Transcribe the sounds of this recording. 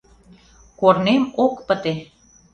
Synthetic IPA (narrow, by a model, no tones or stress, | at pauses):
kornemokpə̆t̪e